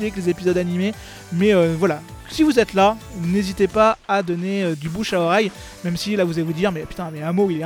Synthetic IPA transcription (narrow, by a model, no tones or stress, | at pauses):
eklezepizɔd̪anime | mɛøvwala | sivuzɛt̪lanezit̪epaad̪ɔneød̪ybuʃaɔʁɛj | mɛmsilavuzalevud̪iʁmɛpyt̪ɛ̃mɛɛ̃moilɛ̃